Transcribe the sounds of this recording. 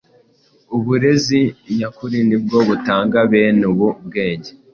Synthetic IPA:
uβuɾe̞zijakuɾinib̚ɡo̞βutaːŋɡaβe̞ːnuβub̚ɡe̞ːɲɟe

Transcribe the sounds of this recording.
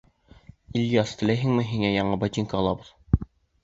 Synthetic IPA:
ilʲjɑst̪ʰɘ̆læjɦɘ̆ŋmɘɦiŋæjɑɴɑbɑt̪ʲiŋkɑːlˠɑbɤð̥

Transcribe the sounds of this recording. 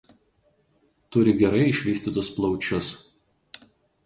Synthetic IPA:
t̪ʊɾʲɪɡʲɛɾɐɪɪʃʲʋʲiːsʲt̪ʲiːt̪ʊsplˠɒʊt͡ʃʲʊs

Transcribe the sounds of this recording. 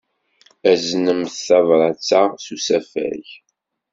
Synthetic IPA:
æznəmθθɑvɾˤɑt͡sːasusæfæ̰ç

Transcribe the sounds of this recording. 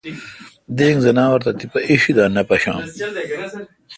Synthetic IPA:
d̪eːŋzɐnaːwɐɾt̪ɐt̪ipɐʔiɕid̪aːnɐpɐɕa̰ːm

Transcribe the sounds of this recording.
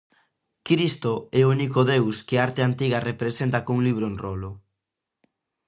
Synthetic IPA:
kɾist̪oɛounikoðewskeaɾt̪eant̪iɣ̞arepɾesent̪akouŋliβ̞ɾoenrolo

